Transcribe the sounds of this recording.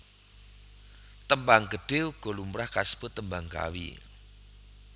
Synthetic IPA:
t̪əmbaŋɡəɖ̥euɡ̥o̤lumɾahkasb̥ɔt̪ːəmbaŋka̰wḭ

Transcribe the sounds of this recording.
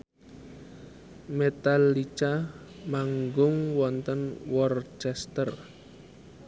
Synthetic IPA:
met̪alit͡ʃa | maŋɡʊŋwɔnt̪ənwɔrt͡ʃɛst̪ər

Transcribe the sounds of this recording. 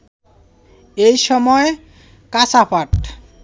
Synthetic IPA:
ejʃɔmɔe | kat͡ɕapaʈ

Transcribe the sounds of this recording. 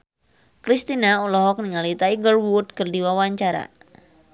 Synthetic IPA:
kɾist̪inaulɔɦɔk̚niŋalit̪aiɡərwurt̪̚kɨrdiwawaɲt͡ʃaɾa̰

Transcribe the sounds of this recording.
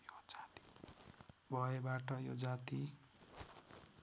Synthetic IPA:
jod͡zat̪i̥ | bʱʌebaʈʌjod͡zat̪i

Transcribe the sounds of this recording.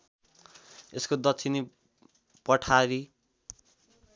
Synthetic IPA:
eskod̪ʌt͡sʰini | pʌʈʰaɾi

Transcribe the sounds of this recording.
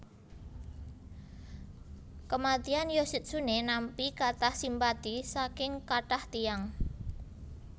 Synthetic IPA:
kəmat̪ianjosit̪̚sunenampikat̪ahsimpad̪̥isakɪŋkaʈaht̪iaŋ

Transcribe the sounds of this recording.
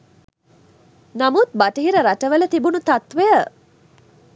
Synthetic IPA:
namut̪̚baʈəɦiɾəɾaʈəʋələt̪ibunut̪at̪ʋejə

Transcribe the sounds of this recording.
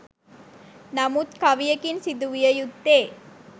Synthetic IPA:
nɐmut̪kɐʋijɐkinsid̪uʋijɐjut̪ːeː

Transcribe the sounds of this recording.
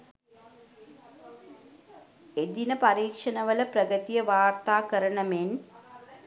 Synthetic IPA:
ed̪inəpaɾiːkʂənəʋələprəɡət̪ijəʋaːrt̪aːkəɾəɳəmen

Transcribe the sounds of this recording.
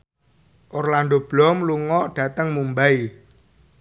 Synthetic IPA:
ʔɔrland̪ob̥lɔmluŋɔʔɖ̥ä̤t̪əŋmumbai

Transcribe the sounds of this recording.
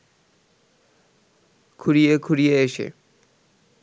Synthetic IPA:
kʰuɾijekʰuɽijeeʃḛ

